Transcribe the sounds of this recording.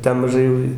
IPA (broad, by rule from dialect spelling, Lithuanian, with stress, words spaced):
ˈtʲɛn mɐˈʒɐɪ jɛʊ ɪ